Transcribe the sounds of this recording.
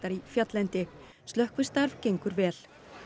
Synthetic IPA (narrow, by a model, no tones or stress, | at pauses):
aɾifjat̪lɛnt̪ɪ | st̪œhkvʏst̪aɾv̥cejŋkʏɾvɛːl